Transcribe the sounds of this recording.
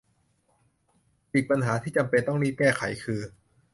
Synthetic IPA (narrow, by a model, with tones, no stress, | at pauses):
ʔiː˨˩k̚pa˧nɦaː˩˦t̪ʰiː˥˩t͡ɕa˧mpe˧nt̪ɔ˥˩ŋniː˥˩kɛː˥˩kʰa̰˩˦jkʰɯː˧